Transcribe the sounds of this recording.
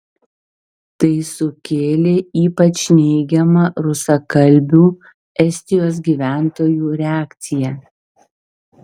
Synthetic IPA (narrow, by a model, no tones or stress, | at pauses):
t̪ɐɪsʊkʲeːlʲeːiːpɐt͡ʃʲnʲɛɪɡʲɛmɐɾʊsɐkɐlʲbʲuː | ɛsʲt̪ʲɪjoːs̬ɡʲiːʋʲæˑnt̪oːjuːɾʲɛaːkt̪sʲɪjɛ